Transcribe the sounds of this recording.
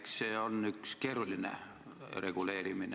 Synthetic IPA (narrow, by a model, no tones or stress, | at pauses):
kseːonykskerulʲːinḛ | reɡ̥uleːɾimine